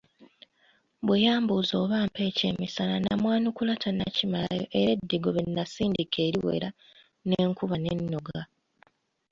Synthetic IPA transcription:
bwejaːmbuzo̞ːβaːmpe̞ːce̞̰ːmisalanamwaːnukulatʰanacimala̰jo̞̰ʔeɾe̞dːiɡo̞βenːasiːndikʰe̞ːɾiwe̞̰ɾa | neːŋkuβane̞̰nːoɡa

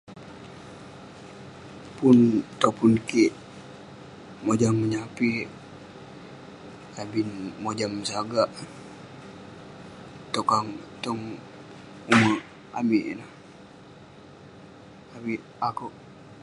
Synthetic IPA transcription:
punt̪opunkiʔ | mod͡ʒamːəɲapi | abinmod͡ʒamsaɡaʔ | t̪okaŋt̪ɔŋ | uma | a̰miʔna | apiʔ | akuʔ

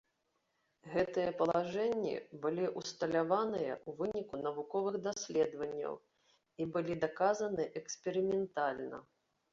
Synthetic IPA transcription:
ɣɛt̪ɨjɐpɐlˠaʐɛnʲːḭbɨlʲiʔust̪ɐlʲavanɨjɐ̰ʔuvɨnʲikunɐvukɔvɨɣd̪asʲlʲɛd̪vɐnʲːɐ̰w | ibɨlʲid̪akazɐnɨʔɛksʲpʲɛɾɨmʲɛnt̪alʲnɐ̰

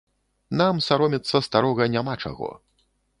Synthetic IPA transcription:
namsaɾɔmʲɛt̪sːɐst̪aɾɔɣɐnʲamat͡ʂa̰ɣɔ̰

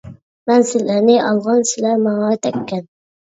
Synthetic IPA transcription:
mænsɪlæɾnɪʔɑlˠʁɑnsɪlæɾmɑŋɑt̪ʰɛkʲʰːɛn

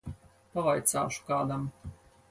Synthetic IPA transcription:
pavajt̪sa̰ːʃu̥kaːd̪am

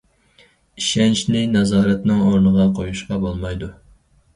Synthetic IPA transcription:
iʃɛnt͡ʃnɪnɑzɑːɾɛt̪nɨŋoɾnəʁɑqʰojuʃqɑbolˠmɑjd̪u

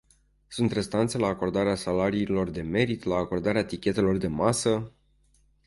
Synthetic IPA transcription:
sunt̪re̞st̪ant̪se̞laːko̞rd̪aɾeasalaɾiːlo̞rd̪e̞me̞ɾit̪laːko̞rd̪aɾeat̪ikʲe̞t̪e̞lo̞rd̪e̞masə

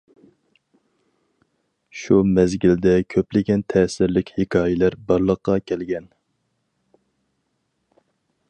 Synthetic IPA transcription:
ʃumɛzɡʲɪld̪ɛkʲʰøplɪɡʲɛnt̪ʰɛːsɪɾlɪkʲhekʲʰɑːjɪlæɾbɑɾlˠəqːɑkʲʰɛlɡʲɛn

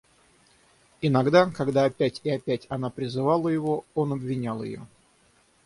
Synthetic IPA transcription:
ɪnɐɡd̪akɐɡd̪aːpʲætʲɪɐpʲætʲɐn̪apɾʲɪzɨvalˠəjɪvoonɐbvʲɪnʲalˠjɪ̰jo̰

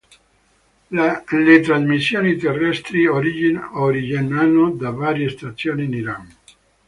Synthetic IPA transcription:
let̪ɾazmisːjoːnit̪erːɛst̪ɾioɾioɾid͡ʒenːanːod̪avaːɾjest̪at̪sːjoːniːniɾaŋ

